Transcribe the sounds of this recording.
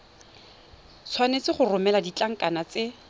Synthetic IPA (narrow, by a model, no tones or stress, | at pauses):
t͡sʰwanet͡sɪχʊrʊmɛladit͡ɬaŋ̩kʼanat͡sɪ